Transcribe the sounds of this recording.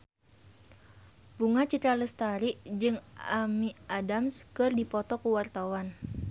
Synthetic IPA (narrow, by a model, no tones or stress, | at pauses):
buŋat͡ʃit̪ɾaləst̪aɾiʔd͡ʒɨŋamiadamskɨrdipɔt̪ɔkuwart̪awan